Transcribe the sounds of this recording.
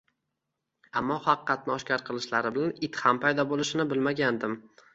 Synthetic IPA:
a̰mːɒhɑqqːɑt̪̚nɪɒʃkʲaɾqʰɨlˠɪʃlaɾɪbɪlanɪt̪hampʰajd̪ɒbolˠɪʃɪnɪbɪlmaɡʲand̪ɪm

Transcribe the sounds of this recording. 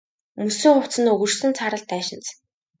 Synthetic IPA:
mɵsɵ̆ŋχʊwt͡sɘ̆nɵɣɵ̆rsɘ̆nt͡sʰaɾə̆ɮt̪æːʃɪ̆nt͡s

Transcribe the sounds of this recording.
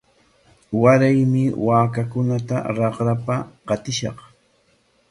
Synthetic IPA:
waɾajmɪwaːkakʊnat̪a̰ɾɑqɾapaqɑt̪ɪʃɑ̰q

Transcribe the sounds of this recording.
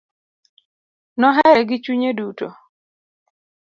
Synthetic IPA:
nɔɦɛɾɛɡɪt͡ʃuɲeduto

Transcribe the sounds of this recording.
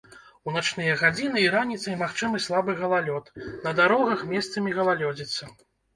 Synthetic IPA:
unat͡ʂnɨjɐɣad͡zʲinɨiɾanʲit̪sɐjmaxt͡ʂɨmɨslˠabɨɣɐlˠalʲɔt̪nɐd̪aɾɔɣɐxmʲɛst̪sɐmʲiɣɐlˠalʲɔd͡zʲit̪sːɐ

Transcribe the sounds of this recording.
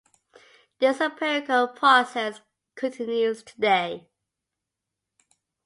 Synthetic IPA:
ðəsəpʰɛɹɪkəlˠpʰɹ̥ɔsɛs | kʰə̃ntʰɪ̃njuz̥tʰədeɪ

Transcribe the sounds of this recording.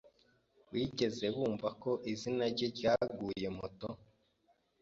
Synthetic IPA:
wiːɟe̞ze̞βuːɱvako̞ʔizinaɾɟeɟaːɡuːje̞moto

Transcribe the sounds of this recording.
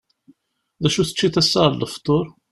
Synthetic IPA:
ðæʃuθə̥t͡ʃːiθæsːəlːəft̪ˤːoɾˤ

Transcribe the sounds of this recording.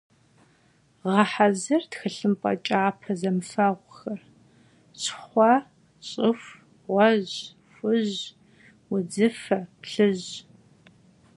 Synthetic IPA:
ʁɐħazɐrtxɨɬɨmpʼɐ̰t͡ʃʼaːpʰɐzɐmfɐʁʷxɐr | ɕʰχʷɑ | ɕʼɪf | ʁʷɔʑ | fʷʊʑ | wʊd͡zɨfɐpɬɨʑ

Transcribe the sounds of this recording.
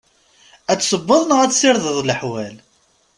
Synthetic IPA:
æt͡sːsˤəbːəðˤnəʁæt͡sːsɪɾðəðˤləħwæl

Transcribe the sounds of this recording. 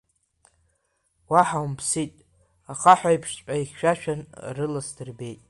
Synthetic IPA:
waħawmpʰsitʼ | aχaħʷajpʰʂt͡ɕʷʼaiχʲʃᶣaʃᶣanrɨlasdʰɨrbe̞jtʼ

